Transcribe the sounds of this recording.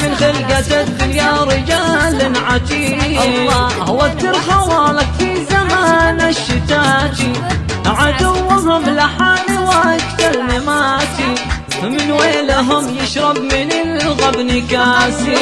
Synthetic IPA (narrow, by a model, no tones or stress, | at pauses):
mɪnɣeːlɡat̪ad̪ɪljaɾɪd͡ʒaːlɪnʕat̪iːɑhʊwat̪ɪɾxawaːlakfizamaːnʔaʃːɪt̪aːt̪i | ʕad̪ʊwːɦʊmlaħaːliwakt̪almɪmaːt̪i | mɪnweːlaɦʊmjɪʃɾˤɑbmɪnɪlɣabnɪkaːsi